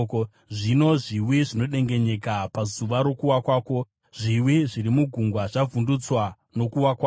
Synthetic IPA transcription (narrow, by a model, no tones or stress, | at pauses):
ʐino̞ʐiwiʐino̞ɗe̞ŋɡe̞ɲe̞kapazuʋaɾo̞kuwakwaːko̞ | ʐiwiʐiɾimuɡʱuŋɡwaʐavʱundut͡swa | no̞kuwakwa